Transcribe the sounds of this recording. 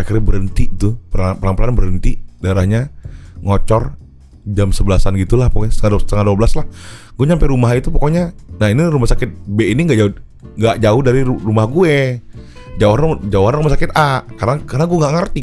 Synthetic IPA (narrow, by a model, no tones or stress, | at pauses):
akərabəɾənt̪it̪upəɾapəlaŋpəlanbəɾənt̪idaɾahɲaŋɔt͡ʃɔr | d͡ʒamsəbəlasanɡit̪ulahpɔkɔɲst̪əŋadsət̪əŋaduabəlaslahɡuɛɲampɛɾumait̪upɔkoɲanainirumahsakɪt̪̚beiniŋɡaʔd͡ʒaʊ | ŋɡaʔd͡ʒaʊhdaɾiurumahɡue | d͡ʒaoɦand͡ʒaoɦanrumahsakɪt̪akarnakarnaɡueŋɡaʔŋərt̪i